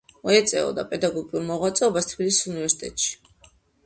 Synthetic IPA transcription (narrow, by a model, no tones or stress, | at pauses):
mɔɛt̪sʼɛ̰ɔ̰d̪apʼɛd̪aɡɔɡiuɾmɔʁwat̪sʼɛɔbast̪ʰbilisi̥sunivɛɾsi̥t̪ʼɛt̪ʼʃi̥